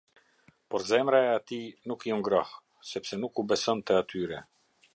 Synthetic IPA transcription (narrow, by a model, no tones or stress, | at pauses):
pɔɾzɛmɾaɛat̪inukjɔŋɡɾɔh | sɛpsɛnukubɛsɔnt̪ɛat̪yɾɛ